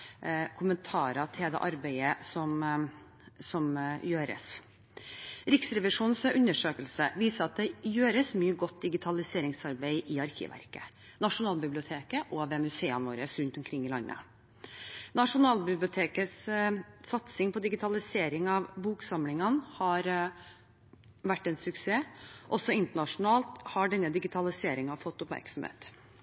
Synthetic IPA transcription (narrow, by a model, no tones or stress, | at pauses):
kʰʊmənt̪ʰɑːɾɑt̪ʰɪld̪ɛ̰ːʔɑɾbæɪəsɔm | sɔmjøːɾə̰s | ɾɪksɾɛʋɪʂuːnsʉnːəʂøːkəlsəʋiːsəɾɑt̪̚d̪ɛjøːɾəsmyːəɡɔt̪̚ːd̪ɪɡɪt̪ʰɑlɪseːɾɪŋsɑɾbæɪʔɪɑɾkʰɪ̰ʋʔæ̰ɾkə̰ | nɑʂʊnɑːlbɪblɪʊt̪ʰeːkəʔoːʋɛmʉseːənʋoːɾəsɾʉnt̪ɔmkʰɾɪŋːɪlɑ̰nːʔə̰ | nɑʂʊnɑːlbɪblɪʊt̪ʰeːkəssɑt̪sɪŋpʰɔd̪ɪɡɪt̪ʰɑlɪseːɾɪŋɑʋbuːksɑmlɪŋənhɑɾ | ʋæʈːɛnsʉkseːʔɔsɔɪnt̪əɳɑʂʊnɑːlt̪hɑɖɛnːəd̪ɪɡɪt̪ʰɑlɪseːɾɪŋɑfɔt̪ːʊpmæ̰ɾksɔm̩hḛːt̪